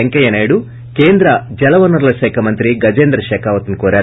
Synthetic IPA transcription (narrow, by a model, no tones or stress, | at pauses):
eŋkɐjɐnɐːjɽu | keːnd̪ɾɐd͡ʒɛlɐʋɐnɐɾlɐʃɛːkʰɐmɐnt̪ɾiɡɐd͡ʒeːnd̪ɾɐʃɛːkʰaːʋɐt̪unkoːɾaːɾ